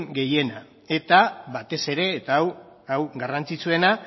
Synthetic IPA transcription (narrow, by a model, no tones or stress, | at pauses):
ŋɡe̞je̞na | e̞t̪aβat̪e̞se̞ɾe̞ːt̪aːw | awɡarant͡sit͡sue̞na